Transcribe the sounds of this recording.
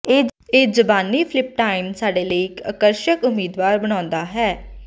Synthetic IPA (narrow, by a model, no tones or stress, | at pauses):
eːeːd͡ʒəbaːniːpʰlɪp̚ʈaːɪmsaːɖeːləiɪkə̰kəɾʃəkʊmiːd̪ʋaːɾbəɽ̃ãːnd̪aːɦɛː